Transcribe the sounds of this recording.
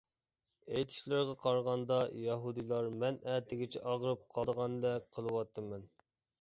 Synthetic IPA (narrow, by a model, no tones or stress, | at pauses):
ejt̪ʰɪ̥ʃlɪɾʁɑqʰɑɾʁɑnd̪ɑjɑɦud̪ɨlˠɑɾmɛnæt̪ʰɪɡʲɪt͡ʃʰɛʔɑʁɾɨp̚qʰɑd̪əʁɑnd̪ɛk̚ʲqʰəlˠəwɑt̪ʰːɨmɛn